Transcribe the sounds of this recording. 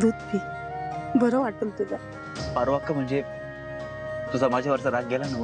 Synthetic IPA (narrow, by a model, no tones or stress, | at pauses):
d̪ut̪pʰi | bʱəɾoʋaʈəlt̪ula | paɾʋakːəm̤əɳd͡ze | t̪usamad͡ʑʱaʋəɾsəɾad͡zɡʱɛlanəʋə